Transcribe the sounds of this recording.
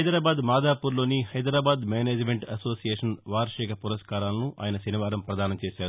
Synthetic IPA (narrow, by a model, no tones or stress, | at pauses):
ɐjd̪ɾaːbaːd̪maːd̪aːpuːɾlo̞ːnihɐjd̪ɾaːbaːd̪meːneːd͡ʒmeɳʈɐso̞ːsijeːʂɐnʋaːɾʂɛːkɐpuɾɐskaːɾaːlɐnuʔa̰ːjɐnɐsɐniʋaːɾɐmpɾɐd̪aːnɐmt͡ʃeːʃaːɾu